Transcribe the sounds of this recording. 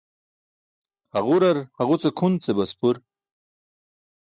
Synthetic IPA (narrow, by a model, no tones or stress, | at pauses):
haɣuɾaɾhaɣut͡sekʰunt͡sebaspuɾ